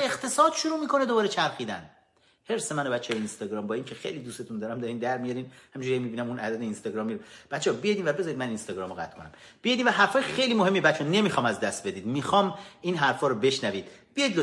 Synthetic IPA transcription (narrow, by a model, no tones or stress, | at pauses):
eχt̪ʰe̞sɒːd̪̥ʃuɾuːmiːkʰo̞ned̪obɒːɾet͡ʃʰæɾxiːd̪æn | he̞ɾsemænobæt̪t͡ʃʰːejeinst̪ɒɡɾɒːmbɒːiːŋcʰe̞xejliːd̪use̞t̪ʰund̪ɒːɾæmd̪ɒɾiːnd̪æɾmijɒɾiːnhæmiɲd͡ʒuɾijemiːbiːnæmunʔæd̪æd̪einst̪ɒɡɾɒːmːiɾb̥æt̪t͡ʃʰːebijed̪invæbezɒːɾid̪mæninst̪ɒɡɾɒːmoɣæ̰t̪ʰkʰo̞næmb̥ijɒjd̪iːnvæɦæɾfɒːjexe̞jliːmoɦe̞mːiebæt̪t͡ʃʰːeɔne̞mixɒːmæzd̪æst̪̚be̞d̪iːd̪mixɒːmiːnɦæɾfɒːɾɔbe̞ʃnæviːd̪̥b̥ijɒjid̪lo